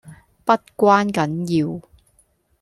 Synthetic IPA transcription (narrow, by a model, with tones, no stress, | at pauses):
pɐ˥t̚kʷaː˥nkɐ˨˥njiː˧w